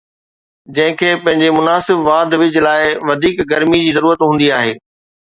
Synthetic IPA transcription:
d͡ʑɐ̃ɦɪ̃kʰeːpɐ̃ɦɪ̃ɲd͡ʑemʊnaːsɪbʋaːd̪ʋɪd͡ʑlaːɪʋɐd̪ʱiːkɡɐɾmid͡ʑiːzɐɾuːɾət̪ɦũːn̆d̪iaːɦeː

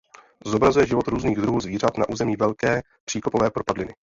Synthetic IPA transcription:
zobɾazujɛʒɪvo̞t̪ɾuːzniːɣd̪ɾuɦuːzviːr̝at̪na̰ʔuːzɛmiːvɛlkɛː | pr̥iːkopovɛːpɾo̞padlɪnɪ

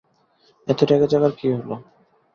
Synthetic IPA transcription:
ɛt̪oʈɛkad͡ʑaɡaɾkiɦolo

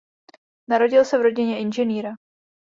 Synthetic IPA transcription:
naɾo̞ɟɪlsɛvɾo̞ɟɪɲɛʔɪnʒɛniːɾa

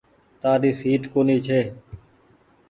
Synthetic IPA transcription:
t̪aːɗ̪iːsiːt̪koːniːt͡ʃʰeː

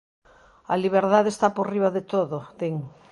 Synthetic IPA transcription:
ɐliβ̞eɾðaðest̪aporiβaðet̪oðot̪eŋ

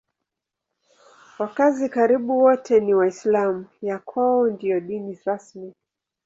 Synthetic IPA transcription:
wakazikaɾiɓuwɔtʰɛniwaislamujakʰaɔndiɔɗiniɾasmi

